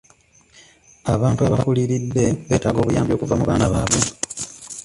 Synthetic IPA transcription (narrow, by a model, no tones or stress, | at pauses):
aβaːntuaβakuliɾid̪ːe̞βe̞ːtaɡo̞ːβujaːmbjo̞ːkuvamuβaːnaβaːβwe̞